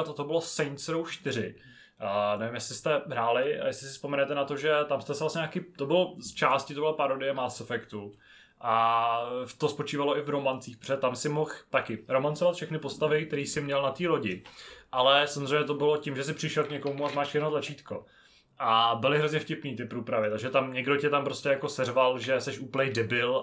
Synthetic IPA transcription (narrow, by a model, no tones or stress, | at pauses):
t̪ot̪obɪlosɛjnsɾowʃt̪ɪɾɪ | nɛvɪmjɛslɪst̪ɛɦɾaːlɪjɛslɪsɪspomɛnɛt̪ɛnat̪o̞ʒɛt̪amst̪ɛsɛvlasɲɛɲaːkiːt̪obɪlst͡ʃaːscɪt̪obɪlapaɾodɪjɛmasofɛkt̪u | ʔa | t̪ospo̞t͡ʃiːvaloʔɪvɾo̞mant͡siːxpɾo̥ɛɛt̪amsɪmo̞xt̪akɪɾo̞mant͡sovat̪fʃɛxnɪpo̞st̪avɪk̚t̪ɛɾiːsɪmɲɛlnat̪iːɾo̞ɟɪʔalɛsamozr̝ɛjmɲɛt̪obɪlocɪmʒɛsɪpr̝̥ɪʃɛlkɲɛko̞muamaːʃjɛdnot̪lat͡ʃiːt̪ko̞̰ | ʔabɪlɪɦɾozɲɛfcɪpniːt̪ɪpɾuːpɾavɪt̪aɡʒɛt̪amɲɛɡdo̞cɛt̪ampɾo̞scɛjako̞sɛrvalʒɛsɛʃuːpl̩nɛjdɛbɪl